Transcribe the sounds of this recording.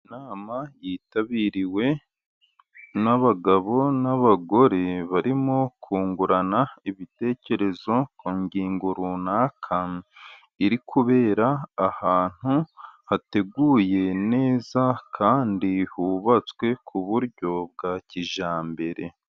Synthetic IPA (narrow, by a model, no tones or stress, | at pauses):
naːmajiːtaβiɾiwe̞ | naβaɡaβo̞naβaɡo̞ɾeβaɾimokʰuːŋɡuɾanaiβite̞ːce̞ɾe̞zo̞kʰoːɲɟiːŋɡoɾunaːkʰa | iɾikʰuβe̞ːɾaːhaːn̥huhate̞ɡuːje̞ne̞ːzakʰaːndihuβat͡swe̞kʰuβuɾɟo̞b̚ɡaciʒaːmbe̞ɾe̞̰